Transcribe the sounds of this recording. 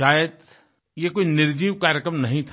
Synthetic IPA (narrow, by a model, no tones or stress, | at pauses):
aːjəd̪ | jekoːinɪɾd͡ʒiːʋkaːɾjəkɾəmnɐɦĩt̪ʰ